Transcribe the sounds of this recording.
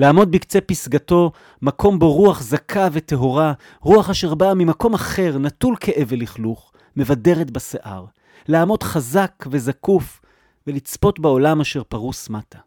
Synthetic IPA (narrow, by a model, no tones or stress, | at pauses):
laːmo̞d̚bikt͡se̞pisɡato̞ | makʰo̞mboʁuaχzakʰavet̪e̞ɦo̞ʁa | ʁuaχaʃe̞ʁbamimako̞maχe̞ʁnatulkʰeʔe̞veliχluχ | me̞vade̞ʁetbaseʔa̰ʁ | laːmo̞dχazakve̞zakuf | ve̞lit͡spo̞tbao̞lamaʃe̞ʁpaʁusmatḁ